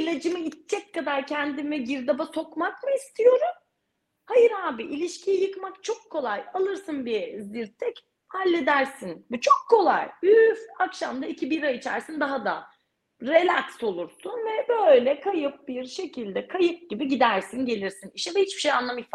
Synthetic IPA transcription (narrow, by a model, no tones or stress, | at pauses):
ilʲad͡ʒɯmɯit̪t͡ʃʰːɛckːad̪aɾcʰænd̪imɛɟiɾd̪abaso̞kmakmɯist̪ʰijo̞ɾum | hajɯɾhaːbiʔilʲiʃcʰijijɯkmakt͡ʃʰo̞kʰːo̞lˠajalˠɯɾsɯnbiɾziɾt̪ʰːɛc | halʲːed̪æɾsinbut͡ʃʰo̞kʰːo̞lˠa̰jyfakʃamd̪aicʰibiɾait͡ʃʰæ̰ɾsind̪aɦad̪a̰ | ɾelʲakso̞lˠuɾsunvɛbøjlʲɛkʰajɯp̚biɾʃe̞cʰilʲd̪ɛkʰajɯp̚ɟibiɟid̪æɾsinɟe̞lʲiɾsiniʃɛvɛhit͡ʃbiʃejanlˠamif